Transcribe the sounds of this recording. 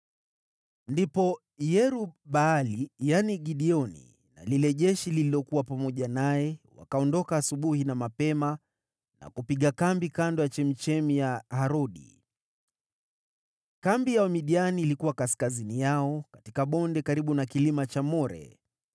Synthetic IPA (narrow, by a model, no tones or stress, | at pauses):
ndipɔ | jɛɾuɓaːlijaniɡiɗiɔnḭ | na̰lilɛʄɛʃililiɔkuwapamɔʄanajɛwa̰kaɔndɔkaːsuɓuhinamapɛma | na̰kupiɠakambikandɔjat͡ʃɛmit͡ʃɛmijahaɾɔɗḭ | kambijaɔmiɗianiːlikuwakaskazinijaɔkatikaɓɔndɛkaɾiɓunakilimat͡ʃamɔɾɛ̰